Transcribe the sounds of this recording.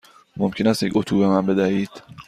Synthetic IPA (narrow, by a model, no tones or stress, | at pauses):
momkcʰenæst̪jecʲot̪ʰuːbemænbe̞d̪æhiːd̪̥